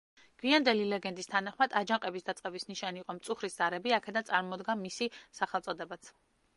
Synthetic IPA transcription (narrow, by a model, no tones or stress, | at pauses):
ɡ̥wiand̪ɛlilɛɡɛnd̪ist̪ʰanaχmad̪ad͡ʒaŋqʼɛbisd̪at̪sʼqʼɛbisniʃaniːqʼɔmt̪sʼuχɾiszaɾɛbiakʰɛd̪ant̪sʼaɾmɔd̪ɡamisisaχɛlˠt̪sʼɔd̪ɛbat̪sʰ